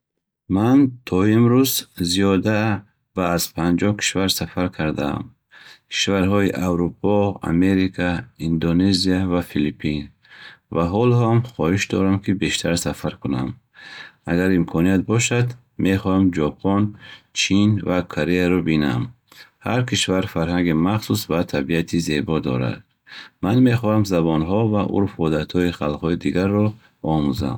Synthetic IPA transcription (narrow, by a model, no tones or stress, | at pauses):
mant̪ʰɔimɾuzziɔd̪a | vaːz̥pʰand͡ʒɔhkʰi̥ʃvaɾsafaɾkʰaɾd̪aa̰m | kʰi̥ʃvaɾɦɔiʔawɾupʰɔa̰me̞ɾikʰaind̪oneziavafilipʰin | vaɦɔlɔhamχɔhiʃd̪ɔ̰ɾamkʰibe̞ʃt̪ʰaɾsafaɾkʰuna̰m | aɡaɾimkʰɔniat̪̚bɔʃad̪ | me̞χɔhamd͡ʒɔpʰɔnt͡ʃʰinvakʰoɾeaɾɔbina̰m | haɾkʰiʃvaɾfaɾɦaŋɡimaχsusvat̪ʰabiat̪ʰize̞bɔd̪ɔ̰ɾa̰d̪̥̚ | manme̞χɔhamzabɔnɦɔvaʔṵɾfɔd̪at̪hɔiχalˠqhɔid̪iɡaɾːɔ | ɔmuza̰m